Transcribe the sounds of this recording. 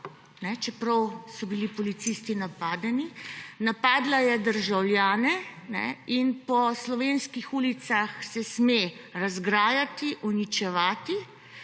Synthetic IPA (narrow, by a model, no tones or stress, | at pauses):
nɛt͡ʃɛpɾɐwsɔbilipɔlit̪sist̪inapaːd̪ɛninapaːd̪lajɛd̪əɾʒawljaːnɛnɛ̰inpɔslɔʋeːnskixuːlit̪saxsɛsmeɾazɡɾaːjat̪iʔunit͡ʃɛʋaːt̪i